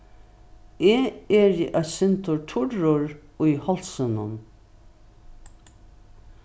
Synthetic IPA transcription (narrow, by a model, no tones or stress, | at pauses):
eːɛɾiʔasɪnt̪ʊʈʰʊɹʊɹʊjhɔlsənʊn